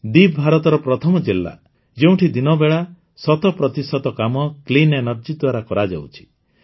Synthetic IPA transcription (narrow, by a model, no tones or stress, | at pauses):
d̪ib̚bʱaɾɔt̪ɔɾɔpɾɔt̪ʰɔmɔd͡ʒilːa̰ | d͡ʒeũʈʰid̪inɔbeɭa | sɔt̪ɔpɾɔt̪isɔt̪ɔkamɔklinenɔɾd͡ʒid̪waɾakɔɾad͡ʒa̰wt͡ʃʰi̥